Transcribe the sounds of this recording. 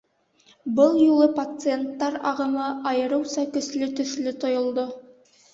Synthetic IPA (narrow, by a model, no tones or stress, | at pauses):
bəlˠjulˠəpat̪sɨe̞nt̪ːɑɾɑ̰ʁəməɑjəɾəwsɑkʲʏslɪt̪ʰʏslɪt̪ʰojə̆lˠd̪ə